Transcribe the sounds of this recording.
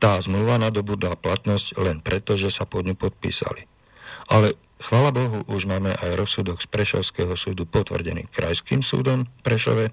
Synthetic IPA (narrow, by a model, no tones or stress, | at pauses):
t̪aːzmluʋanad̪ɔbuːd̪laplat̪nɔsclɛnpɾɛt̪ɔʒɛsapɔd̪ɲupɔt̪̚pḭːsa̰li | ʔalɛ | xʋaːlabɔɦuʔuʒmaːmɛʔajɾɔsud̪ɔɡspɾɛʃɔ̰ʊskɛɦɔsuːd̪upɔt̪ʋr̩ɟɛnḭːkɾa̰jskiːmsṵːd̪ɔmpɾɛʃɔ̰ʋɛ